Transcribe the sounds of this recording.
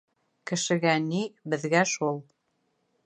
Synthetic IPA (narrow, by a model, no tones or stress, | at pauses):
kɘ̆ʃɘ̆ɡænibɘ̆ðɡæʃulˠ